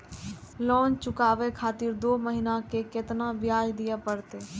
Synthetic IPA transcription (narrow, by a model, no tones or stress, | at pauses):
lɔːnt͡ʃʊkaːʋekʰaːt̪ɪɾd̪oːməɦinakekɪt̪nabɪjaːd͡ʒd̪ijapəɽt̪eː